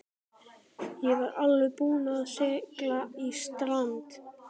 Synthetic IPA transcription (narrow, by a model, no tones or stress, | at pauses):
jɛvaɾalːʏpuːnaðɬɛːklaist̪ɾant̪